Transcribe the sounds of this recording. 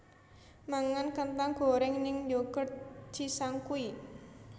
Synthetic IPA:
maŋankənt̪aŋɡ̥o̤ɾɛŋnɪŋjoɡərd͡ʒ̥isaŋkui

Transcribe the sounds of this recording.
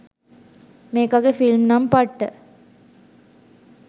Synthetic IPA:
meːkaɡefilmnɐmpɐʈːə

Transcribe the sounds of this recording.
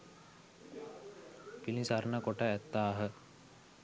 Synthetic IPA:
pilĩsaɾnəkoʈəæt̪ːaːɦə

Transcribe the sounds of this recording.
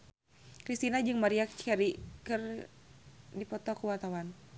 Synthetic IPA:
kɾist̪inad͡ʒɨŋmaɾiak̚t͡ʃɛɾikɨr | dipɔt̪ɔkuwat̪awan

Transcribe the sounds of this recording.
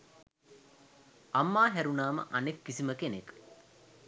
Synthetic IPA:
amːaːɦæɾunaːmə̰ʔanekːisiməkenek

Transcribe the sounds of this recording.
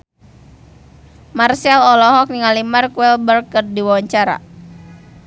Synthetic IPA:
marsalɔlɔɦɔk̚niŋalimarkwɛlbərkːərdiwawaɲt͡ʃaɾa̰

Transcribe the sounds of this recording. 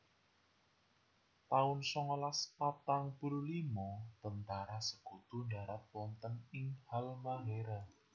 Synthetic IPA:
t̪aʊnsɔŋɔlaspat̪aŋpuɾulimɔt̪ənt̪aɾasəɡ̥ut̪undaɾat̪̚pwɔnt̪ənɪŋhalmaɦeɾa

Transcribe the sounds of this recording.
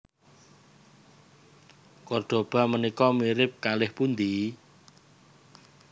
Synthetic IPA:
kɔrd̪̥o̤b̥a̤mənikɔmiɾɪp̚kalɪhpund̪i

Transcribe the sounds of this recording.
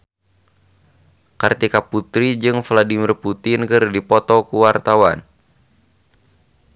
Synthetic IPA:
kart̪ikaput̪ɾid͡ʒɨŋfladimirput̪ɪnkɨrdipɔt̪ɔkuwart̪awan

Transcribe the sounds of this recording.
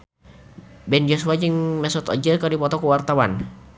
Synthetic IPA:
bɛnd͡ʒɔsuad͡ʒiŋmɛsɔt̪ɔ̰d͡ʒərkardipɔt̪ɔkuwart̪awan

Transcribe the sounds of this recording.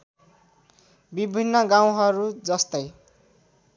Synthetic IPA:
bibʱinːʌɡaw̃ɦʌɾud͡zʌst̪ʌj

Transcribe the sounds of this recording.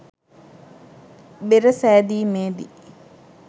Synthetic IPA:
beɾəsæːd̪iːmeːd̪ḭ

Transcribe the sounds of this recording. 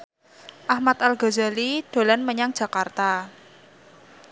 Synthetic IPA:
ʔahmat̪alɡo̤zaliɖ̥o̤lanməɲaŋ̥d͡ʒ̥a̤kart̪a

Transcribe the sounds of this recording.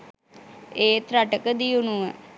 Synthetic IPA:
eːt̪ɾaʈəkəd̪ijunuʋə

